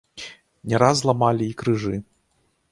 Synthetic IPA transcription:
nʲɛɾaz̬lˠamalʲiːkɾɨʐɨ

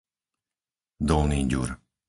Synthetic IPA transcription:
d̪ɔlniːɟṵɾ

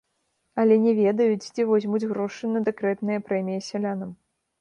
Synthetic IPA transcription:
ɐlʲɛnʲɛvʲɛd̪ɐjut͡sʲt͡sʲivɔzʲmud͡zʲɣɾɔʂɨnɐd̪ɛkɾɛt̪nɨjɐpɾɛmʲijɐsʲɛlʲanɐm

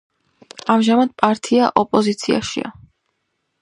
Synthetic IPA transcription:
amʒamad̪̥̚pʼaɾt̪ʰʼiaʔɔpʼɔzit̪sʰia̰ʃḭa̰

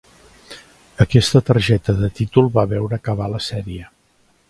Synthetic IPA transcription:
əkɛst̪ət̪əɾʒɛt̪əðət̪it̪ulˠβaβɛwɾəːkəβ̞aləsɛɾiə

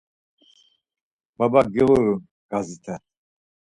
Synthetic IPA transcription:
b̥abaɡɛwɔɾun | ɡ̥azit̪ʰa

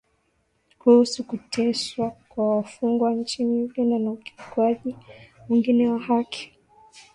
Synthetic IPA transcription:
kuhusukutʰɛʃwakwawafuŋɡwaɲ̩t͡ʃimivinanauki̥kwaʄimiŋɡinɛwahakʰi̥

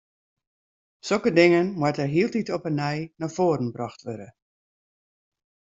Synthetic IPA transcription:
sokədɪŋənmwatərɦiəlˠtitɔpənɛjnafoːɾən̩brɑxtʋødə

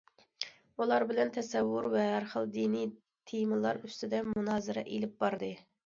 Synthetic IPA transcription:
ulˠɑɾbɪlɛnt̪ʰɛsɛwːʊɾwɛɦæɾχəlˠd̪ini | t̪ʰejmɨlˠɑɾyst̪ɪd̪ɛmunɑːzɨɾɑ̰ʔelɪp̚bɑɾd̪ɨ

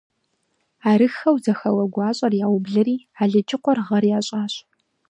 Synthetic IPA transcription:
aːɾɨxɐwzɐxɐwɐɡʷɑːɕʼɐrjaːwbɮɨɾiː | aːɮɐt͡ʃʰʼɪqʷɔrʁɐrjaːɕʼaːɕ

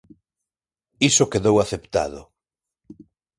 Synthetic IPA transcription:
isokeðowaθept̪a̰ðʊ̰

